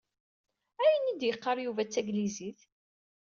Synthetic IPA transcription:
æjənid̪jəqːɑɾˤjuvæt͡sːæɡliziθ

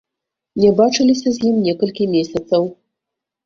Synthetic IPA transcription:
nʲɛbat͡ʂɨlʲisʲɐzʲjimnʲɛkɐlʲkʲimʲesʲɐt̪sɐw

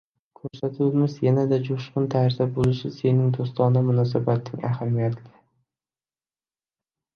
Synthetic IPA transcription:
kʰɵɾsat̪ʰuwɪmɪzjanad̪ad͡ʒʊʃqʊnt̪ʰaɾzabolɪʃɪse̞nɪŋd̪ost̪ɒnamʊnɒs̬abat̪ʰːɪŋa̰hamijat̪ʰɪ

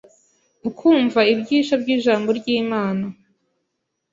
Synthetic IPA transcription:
ukʰuːɱvaibɟiːʃabɟiːʒaːmboɾɟiːmaːna

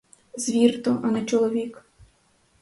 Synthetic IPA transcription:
zʋʲirt̪ɔʔɐnɐt͡ʃɔlˠɔʋʲik

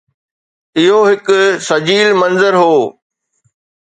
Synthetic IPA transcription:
ɪɦoɦɪkʊsɐd͡ʑiːlmɐ̃nzəɾɦoː

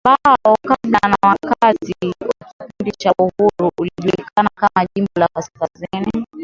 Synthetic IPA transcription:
ɓaɔkaɓanawakatiwaki̥pindit͡ʃauhuɾuːliʄuliikʰanakamaʄimbɔlakaskazini

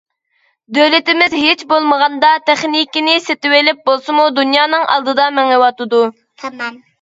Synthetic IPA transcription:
d̪ølɪt̪ɪmɪzɦet͡ʃbolˠməʁɑnd̪ɑt̪ʰɛχnikʲinɪset̪ɪwelɪp̚bolˠsɨmud̪unjɑːnɨŋʔɑ̰lˠd̪ɨd̪ɑmɛŋewɑt̪ɨd̪u | t̪ʰm

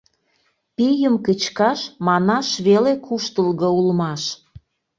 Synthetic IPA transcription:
pijəmkət͡ɕkɑʃmɑnɑʃβelekʰuʃt̪əlɣɤulmɑʃ

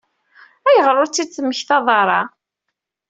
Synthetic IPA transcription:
æjəʁɾˤʊɾt͡sːit͡sːəmːəçθɑðˤɑɾˤɑ

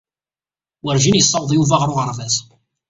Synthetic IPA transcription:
wəɾʒinjəsˤːɑwðˤjuvaʁɾˤʊʁəɾˤvæs

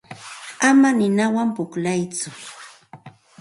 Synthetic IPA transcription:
amanɪnawampʊklajt͡sʊ

